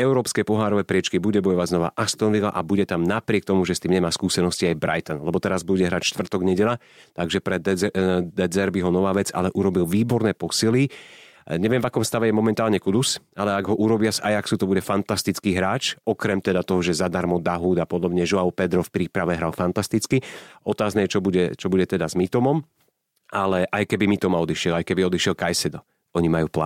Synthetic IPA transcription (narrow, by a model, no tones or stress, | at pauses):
ɛʊɾɔːpskɛpɔɦaːɾɔʋɛpɾɪɛt͡ʃkibuɟɛbɔjɔʋaɟznɔʋa̰ːʔast̪ɔnʋila̰ʔabuɟɛt̪amnapɾɪɛk̚t̪ɔmuʒɛst̪iːmɲɛmaːskuːsɛnɔsciajbɾa̰jt̪ɔnlɛbɔt̪ɛɾazbuɟɛɦɾaːcʃt̪ʋr̩t̪ɔɡɲɛɟɛʎa | t̪aɡʒɛpɾɛ | d̪ɛd͡zɛɾbiɦɔnɔʋaːʋɛd͡za̰lɛʔuɾɔbilʋiːbɔɾnɛːpɔsili | ɲɛʋɪɛ̃mvakɔmst̪aʋɛjɛmɔmɛnt̪aːlɲɛkud̪usalɛaɡɦɔʔuɾɔbɪasajaksut̪ɔbuɟɛfant̪ast̪it͡skiːɦɾaːt͡ʃɔkɾɛmt̪ɛd̪at̪ɔɦɔʒɛzad̪aɾmɔd̪aɦuːd̪apɔd̪ɔbɲɛʒɔaʊpɛd̪ɾɔfpɾiːpɾaʋɛɦɾalfant̪ast̪it͡skiɔt̪aːznajɛt͡ʃɔbuɟɛt͡ʃɔbuɟɛt̪ɛd̪azmit̪ɔmɔm | ʔalɛʔajkɛbimit̪ɔmaɔd̪iʃɪɛlajkɛbiɔd̪iʃɛlkajsɛd̪ɔ | ɔɲimajuːpla̰